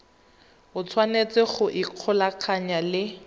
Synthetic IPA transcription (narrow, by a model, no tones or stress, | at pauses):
ʊt͡sʰwanet͡sɪχʊʔiq͡χʰɔlaq͡χʰaɲalɪ